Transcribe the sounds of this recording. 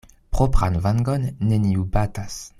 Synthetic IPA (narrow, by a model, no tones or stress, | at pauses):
pχopχanvaŋɡonːeniubatas